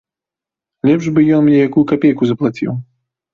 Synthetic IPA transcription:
lʲɛpʐbɨjɔnmnʲɛjakujukapʲejkuzɐplˠat͡sʲḭw

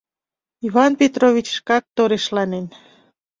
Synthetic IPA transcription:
iβɑnpʲet̪rovʲit͡ɕʃkɑk̚t̪oɾeʃlɑnen

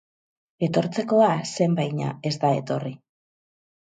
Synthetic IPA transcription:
e̞t̪o̞ɾt͡se̞ko̞ase̞mbajɲa̰e̞zd̪ae̞̰t̪o̞ri

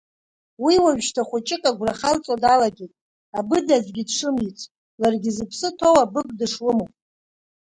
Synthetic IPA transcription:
wiwaɥʃtʰaχʷʊt͡ʃʼɪkʼaɡʷraχalt͡sʼadalaɡʲetʼ | abɨdazɡʲɪdʂɨmit͡sʷʰʼ | larɡʲɪzɨpʰsɨtʰowabɨɡ̚ʼdɨʂlɨmo

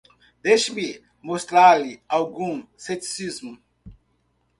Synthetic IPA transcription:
d̪ejʃimi | most̪ɾaɾliawɡũset͡ʃi̥sizmʊ

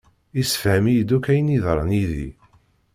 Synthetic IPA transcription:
isə̥fhæmijd̪ukæjəniðɾˤə̰niðḭ

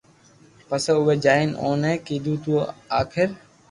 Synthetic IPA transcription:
pəseːʊʋeːd͡ʒaːɪno̰ːnẽːkiːd̪ʱũːt̪uoːaːkʰɪɾ

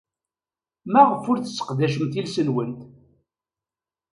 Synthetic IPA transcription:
mæʁəfʊɾθə̥sːə̥qðæʃəmt̪ilsənwənt̪

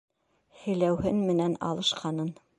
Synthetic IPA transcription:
hɘ̆læwhɘnmɘ̆nænɑ̰lˠɤ̆ʃqɑnɤn

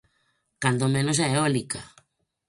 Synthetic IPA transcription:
kand̪omẽnosaeolika

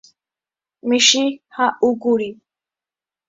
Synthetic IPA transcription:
miʃihaʔuɡuɾi

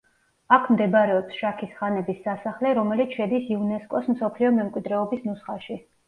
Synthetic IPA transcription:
akʰmd̪ɛbɾɛɔpsʃakʰisχanɛbisːasaχlɛɾɔmɛlit̪ʰʃɛd̪isiunɛskʼɔsm̩sɔpʰliɔmɛmkʼwid̪ɾɛɔbisnusχaʃi

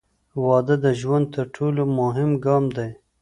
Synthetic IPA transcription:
wɑd̪əd̪əʒwand̪̚t̪əɾʈʰolomʊɦɪmɡɑmd̪aj

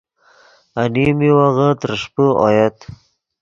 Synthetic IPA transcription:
animiwaɣat̪ɾʂpəɔ̰jat̪

